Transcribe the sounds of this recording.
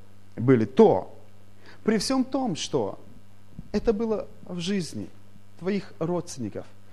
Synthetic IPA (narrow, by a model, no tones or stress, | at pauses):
bɨlʲɪt̪o̰ | pɾʲɪfsʲo̞mt̪o̞mʂt̪o̰ | ɛt̪əbɨlˠə | vʐɨzʲnʲɪ̰ | t̪vɐixro̞t̪st̪ʲɪnʲɪkəf